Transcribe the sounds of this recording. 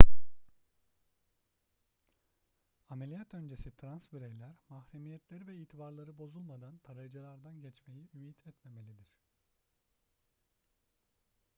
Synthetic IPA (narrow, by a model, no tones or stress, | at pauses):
amelʲijat̪ʰø̞nd͡ʒe̞sit̪ʰɾansbyɾejlʲæɾmahɾemijɛt̪lʲe̞ɾivɛiːt̪ʰibaɾlˠaɾɯbo̞zulˠmad̪ant̪ʰaɾajd͡ʒalˠaɾd̪anɟɛt͡ʃme̞jiymiːt̪ʰɛt̪me̞me̞lʲid̪iɾ̝̥